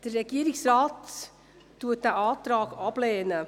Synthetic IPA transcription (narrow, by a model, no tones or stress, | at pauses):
d̥ərːɛɡiːəɾɪksraːt | tuət̚d̥æːʔɑːtɾɑːɡɑb̥leːnə